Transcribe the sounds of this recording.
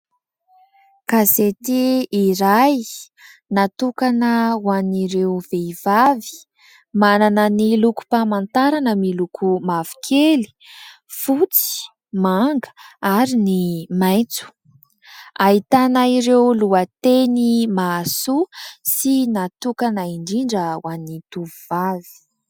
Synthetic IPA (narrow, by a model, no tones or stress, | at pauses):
kazet̪iːɾaj | nat̪ukanəwaniɾewveiv̥avi̥ | mananəniluku̥pamant̪aɾanəmilukʰumav̥i̥kʰeli̥ | fut͡si̥ | maŋɡə̥aɾinimajt͡su̥ | aɦit̪anaiɾewluət̪enimasusinat̪ukanaiɳɖ͡ʐiɳɖ͡ʐəwanit̪uvuvavi̥